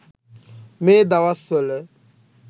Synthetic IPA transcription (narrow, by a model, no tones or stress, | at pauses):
med̪awasɔle